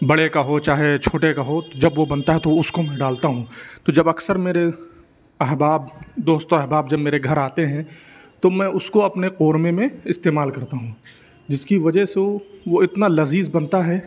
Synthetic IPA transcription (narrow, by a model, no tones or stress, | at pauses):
bɐɽekaɦot͡ʃaːɦet͡ʃʰoːʈekaɦot̪od͡ʒɐbʋobɐnt̪aɦɛt̪oʊskomɛ̃ɖaːlt̪aɦũt̪od͡ʒɐbɐksəɾmeːɾe | ɐɦbaːb̚d̪oːst̪õɛɦbaːbd͡ʒɐbmeːɾeɡʱɐɾaːt̪eɦɛ̃ | t̪omɛ̃ʊskoɐpneqoːɾmemẽɪst̪eːmaːlkɐɾt̪aɦũ | d͡ʒɪskiʋɐd͡ʒəɦseʋoɪt̪nalɐziːzbɐnt̪aɦɛː